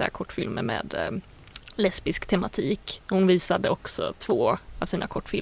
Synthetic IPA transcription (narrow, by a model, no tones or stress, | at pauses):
a̰kʰɔʈːfɪlməɾmḛːd̪ | lɛspɪskt̪ʰɛmat̪ʰiːkhʊnviːsad̪əɔksɔ̰t̪ʰvoːavsiːnakʰɔʈːfɪl